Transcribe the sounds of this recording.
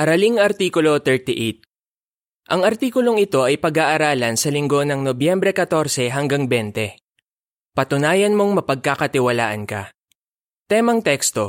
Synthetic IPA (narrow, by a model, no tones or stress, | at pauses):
ʔɐɾɐliŋɐɾt̪iːkʊlo̞t̪ɛɹt̪ɪʔejt̪̚ | ʔɐŋɐɾt̪iːkʊlo̞ŋɪt̪o̞ʔɐjpɐɡaʔɐɾaːlɐnsɐlɪŋɡo̞nɐŋnobjɛmbɾɛkɐt̪o̞ɾsɛɦɐŋɡaŋbɛnt̪ɛ | pɐt̪ʊnaːjɐnmo̞ŋmɐpɐɡ̚kakɐt̪ɪwɐla̰ːʔɐnkɐ̰ | t̪ɛmɐŋt̪ɛkst̪o̞